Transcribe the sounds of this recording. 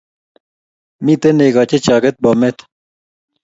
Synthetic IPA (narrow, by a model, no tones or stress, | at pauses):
mit̪eneɡaːt͡ɕet͡ɕaːkɐt̪̚bomet̪ʰ